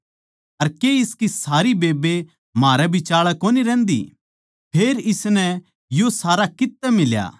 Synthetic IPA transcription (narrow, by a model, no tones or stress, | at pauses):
ɐɾkeɪskisaːɾibeːbe | maːɾɛbʱit͡ʃaːɭɛkoːniɾɛ̃ːnd̪ḭ | pʰeːɾɪsnɛ | josaːɾakɪt̪ːɛmɪlja̰ː